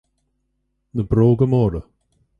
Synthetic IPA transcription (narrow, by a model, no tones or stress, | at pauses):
nəbɾoːɡəmɔːɾə